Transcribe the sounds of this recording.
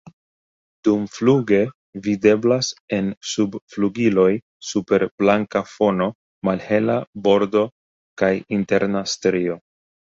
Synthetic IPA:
d̥umfluɡe̞ | vide̞blase̞nsubfluɡilo̞j | supe̞ɾb̥laŋkafo̞no̞ | malhe̞labo̞ɾdo̞ | kajinte̞ɾnastɾio̞

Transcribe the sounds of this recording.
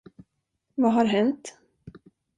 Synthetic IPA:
vaɦaɾɦɛnt̪

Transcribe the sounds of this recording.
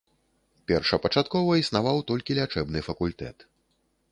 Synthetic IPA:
pʲɛrʂɐpɐt͡ʂat̪kɔvɐisnavawt̪ɔlʲkʲilʲat͡ʂɛbnɨfɐkulʲt̪ɛ̰t̪

